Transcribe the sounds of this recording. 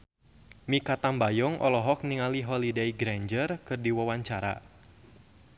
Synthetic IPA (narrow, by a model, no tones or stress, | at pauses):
mikat̪ambajɔŋʔɔ̰lɔɦɔk̚niŋaliɦɔlidejɡɾaɲd͡ʒərkɨrdiwawaɲt͡ʃaɾa̰